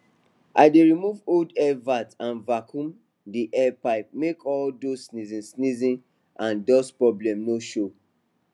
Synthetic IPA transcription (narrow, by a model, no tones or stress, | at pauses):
ʔa̰ɪdeɹimuvoldɛvatãnvakʰũm | diʔɛpaɪp̚mekɔldoːnizĩsnizĩn | ʔãndɔspɹɔblɛ̃mnoʃo